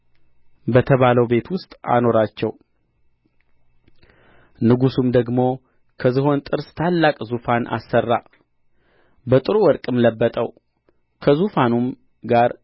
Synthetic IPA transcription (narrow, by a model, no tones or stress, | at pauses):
bət̪ʰəβaləwbe̞t̪wʊst̪ʼa̰no̞ɾat͡ʃːɛw | nɨɡusumd̪əɡmo̞ | kʰəzɨɦo̞nt̪ʼɨɾst̪ʰalːakʼzufanʔa̰sːərːa̰ | bət̪ʼɨɾuwɔɾkʼɨmləbːət̪ʼəw | kʰəzufanum | ɡaɾ